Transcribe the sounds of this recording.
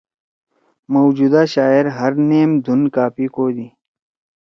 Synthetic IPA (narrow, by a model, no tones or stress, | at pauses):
mowd͡ʒuːd̪aːʃaːeɾɦɐɾneːmd̪ʱunkaːpikoːd̪iː